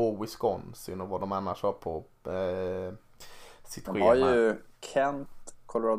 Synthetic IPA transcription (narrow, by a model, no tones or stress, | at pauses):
ɔwɪskɔnsɪ̰nɔvad̪ɔmanːaʂhɑpʰɔ | sɪt̪ʰaɔɧmhaɾjɵkʰɛnt̪kʰɔlʊɾa